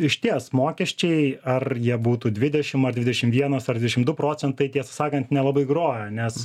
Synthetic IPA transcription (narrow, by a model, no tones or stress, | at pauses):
ɪʃʲt̪ʲiɛsmoːkʲɛʃʲt͡ʃʲɛɪɐrjiɛbuːt̪uːd̪ʲʋʲɪd̪ʲɛʃʲɪmɐrd̪ʲʋʲɪd̪ʲɛʃʲɪmʋʲiɛnosɐrd̪ʲʋʲɪdʲɛʃɪmd̪ʊpɾoːt͡sʲɛnt̪ɐɪt̪ʲiɛsɐsɑːkɐnt̪nʲɛlˠɑbɐɪɡɾoːjɛnʲɛs